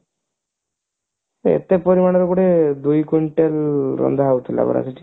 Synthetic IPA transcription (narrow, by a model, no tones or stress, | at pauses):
ḛt̪epɔɾimañeɾokuɽed̪ujkuɳʈelɾɔ̰nd̪ʱaɦaut̪ʰila̰bɔ̰ɾa̰seʈʰi̥